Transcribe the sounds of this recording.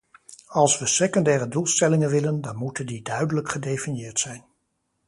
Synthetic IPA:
ɑlˠsʋəsekɔndɛːrədulˠstɛlɪŋənʋɪləndɑnmutəndidœɥdələkχədejfinjɪːɹtsɛjn

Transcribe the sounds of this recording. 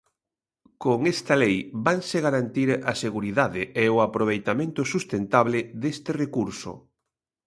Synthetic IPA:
koŋest̪ɐlejbaŋseɣaɾant̪iɾaseɣuɾiðaðɪeʊapɾoβ̞ejt̪amẽnt̪ʊsust̪ent̪aβlɪðest̪ɪrekuɾsʊ̰

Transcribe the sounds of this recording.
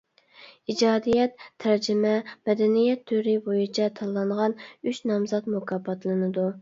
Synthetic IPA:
id͡ʒɑːd̪ijɛt̪ʰːæɾd͡ʒɪmɛmɛd̪ɛnijɛt̪ʰːyɾɪbojit͡ʃʰɛt̪ʰɑlˠːɑɴʁɑnyt͡ʃnɑmzɑt̪mukʰɑːpʰɑt̪lˠɨnɨd̪u

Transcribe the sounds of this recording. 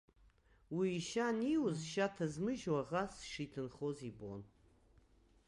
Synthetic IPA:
wiːʃaniwʊzʃatʰɐzmɨʒwaʁasʂiːtʰɨnχozibɔ̰n

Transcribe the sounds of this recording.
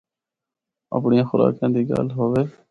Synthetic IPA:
ə̰ːpɳɪːãːxʊɾa̰ːkãːd̪iːɡa̰ːlɦoːʋeː

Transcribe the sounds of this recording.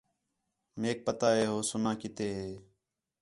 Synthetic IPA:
meːk̚pət̪aːɦeːɦoːsʊnãːkɪt̪eːɦeː

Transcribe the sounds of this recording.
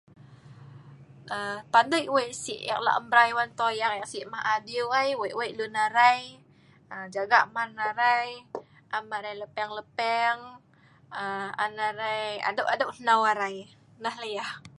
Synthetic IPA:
əpandəjʔwajʔsiʔja̰k̚la̰ʔəmbɾajwant̪ojaŋjaʔsiʔmahadiuajwajʔwaʔlunaɾaj | əd͡ʒaɡaʔmarnaɾaj | ʔamaɾajləpɛŋləpɛŋ | əa̰naɾaja̰doʔadəʔhnawaɾaj | nahləjah

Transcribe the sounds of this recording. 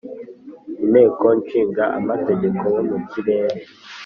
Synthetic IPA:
imeːkont͡ʃiːŋɡaʔa̰mateɟekʰowomuciβeːɾe

